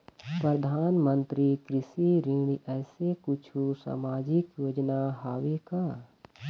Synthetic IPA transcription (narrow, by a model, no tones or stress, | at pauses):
pɾəd̪ʱaːnmə̃nt̪ɾikɾɪsiɾĩːɽiʔɛːsekʊt͡ʃʰusa̰ːmaːd͡ʒɪkjoːd͡ʒnaɦaːʋekaː